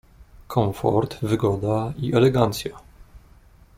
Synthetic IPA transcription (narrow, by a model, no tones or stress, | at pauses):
kʰɔɱfɔ̰ɾt̪vɘɡɔd̪aiʔɛlɛɡant̪sʲja